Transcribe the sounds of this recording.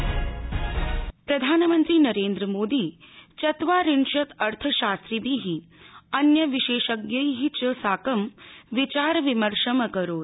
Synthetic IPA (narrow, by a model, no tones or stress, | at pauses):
pɾɐd̪ʱaːnmənt̪ɾiːnɐɾeːnd̪ɾəmoːd̪iːt͡ɕɐt̪ʋaːɾiɳʂɐt̪ɐɾt̪ʰəʃaːst̪ɾibʱiɦiːɐnjəʋiʃeːʃəɡjəjɦit͡ɕəsaːkəmʋit͡ɕaːɾʋiməɾʂəməkəɾoːt̪